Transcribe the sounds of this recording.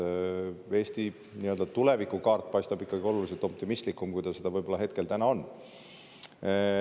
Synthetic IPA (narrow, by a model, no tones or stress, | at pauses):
e̞ːst̪i | niø̞ld̪̥ɑt̪ule̞vikukɑːrt̪̚ːˑpɑjst̪ɑbikːɑɡio̞lulis̬et̪o̞p̚t̪imist̪likːˑumkujd̪̥ɑse̞d̪̥ɑvɤjb̥olɑɦe̞t̪̚ke̞lt̪ænɑo̞nː